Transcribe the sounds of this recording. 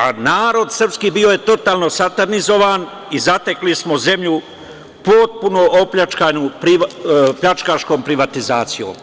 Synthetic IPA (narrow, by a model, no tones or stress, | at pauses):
anaːɾo̞d̪sr̩pskiːbio̞jet̪o̞t̪aːlˠno̞sat̪aɾnizo̞ʋan | izat̪eklismoze̞mʎu | po̞t̪̚punoopʎat͡ʃkaːɲupɾiʋpʎat͡ʃkaʃko̞ːmpɾiʋat̪izaːt̪sijo̰ːm